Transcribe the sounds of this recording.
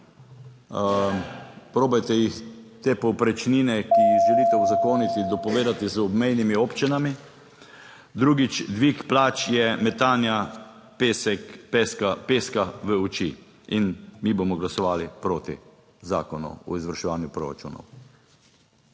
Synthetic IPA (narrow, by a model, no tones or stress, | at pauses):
pɾoːbajt̪ɛjixt̪eːpɔwpɾɛt͡ʃniːnɛkiiʒɛliːt̪ɛuzakoːnit̪id̪ɔpɔʋeːd̪at̪izɔbmɛjnimiopt͡ʃinami | d̪ɾuːɡit͡ʃd̪ʋikplaːt͡ʃjɛmɛt̪aːnja | pesɛkpeskapeskaʋəut͡ʃḭ | inmiːboːmɔɡlasɔʋaːlipɾoːt̪ḭ | za̰ːkɔnṵɔ̰izʋəɾʃɛʋaːnjupɾo̰ɾa̰t͡ʃṵːnɔ̰w